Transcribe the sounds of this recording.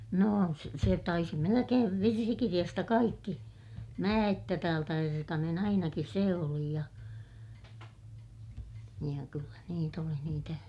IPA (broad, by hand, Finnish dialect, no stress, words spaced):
noˑ se se tɑisi melekeːʋ ʋirsikirij̆ɑstɑ kɑikːi mæː etːæ tæːltæ erkɑnen ɑinɑki seˑ oli jɑ jɑ kylːæ niːt oli niːtæ